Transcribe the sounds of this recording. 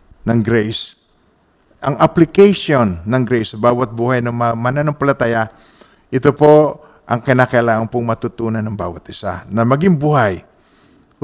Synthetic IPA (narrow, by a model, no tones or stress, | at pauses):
nɐŋɡɾɛjs | ʔɐŋɐplɪkɛjʃonːɐŋɡɾɛjsɐbaːwɐt̪̚buːhajnɐŋmamananɐŋpɐlɐt̪aːjɐ | ʔɪt̪opo̞ | ʔɐŋkɪnaːkɐɐlaːŋɐnpʊŋmɐt̪ut̪uːnɐnːɐŋba̰ːwɐt̪ʔɪsa̰nɐmɐɡiŋbuːhaj